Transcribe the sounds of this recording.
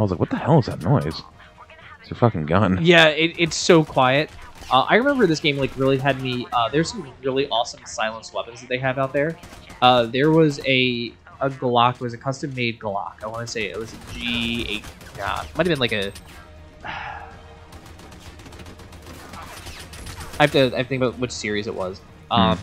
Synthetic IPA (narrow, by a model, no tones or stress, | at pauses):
aɪwʌzlaɪkwʌt̪̚ðəhɛl̃ˠzðɨ̰tⁿnɔɪz̥ | sə˞fʌkɪ̃ŋɡʌ̃njæɪɾɪtsoʊkʰw̥aɪɨt̚ʔʌʔa̰ɪɹɨmɛ̃mbə˞ðɪsɡ̥ẽɪ̃mlaɪkɹɪlˠiɨd̚miʌðə˞z̥sʌ̃mɹɪlˠiʔɔsə̃m̩saɪlˠə̃nswɛpɨ̃nzðɨt̪̚ðeɪɨvaʊt̪̚ðə˞ʌðə˞wʌzɨ | əɡlɑk̚ɨt̚wʌzɨkʰʌstɨ̃mːeɪd̚ɡlɑ̰kaɪwɑ̃nɨseɪɪ̰t̚wʌzɨd͡ʒiḛɪɡæ̰t̚maɪɾɨvbɨ̃nlaɪkɨ | ʌ | aɪvɨaɪvθɪ̃ŋkəbaʊt̚wɨt͡ʃsɪɹizɨ̰ʔwʌ̰z̥ | ʔʌ̃m